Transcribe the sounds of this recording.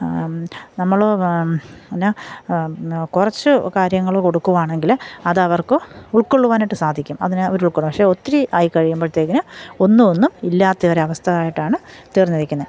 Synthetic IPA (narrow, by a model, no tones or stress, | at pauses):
nɐmːɐɭ | ɐnːa | kurɐt͡ɕːɨkaːɾjɐŋːɐɭokoɽukːuʋaːɳe̞ŋɡilɐðɐʋɐrkɨuɭkoɭːuʋaːniʈːɨsaːd̪ʱikʲːumɐ̰ðinɨoɾuɭkːoɽːmpɐkʂe̞ːo̞t̪ːiɾiʔɐjkːɐɻijumboɻt̪ːeːkːinɨo̞nːuo̞nːumilːaːt̪ːiʋɐɾeɐʋɐst̪ʰɐɣaːjiʈːaːɳɨt̪iːrnːiɐðikʲːunːɐ